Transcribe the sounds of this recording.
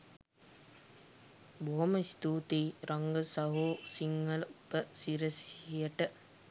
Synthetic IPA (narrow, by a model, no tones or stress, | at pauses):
boɦɐməst̪uːt̪iːɾʔɐŋɡəsɐɦoːsiŋɡɐlupːəsiɾəsijəʈə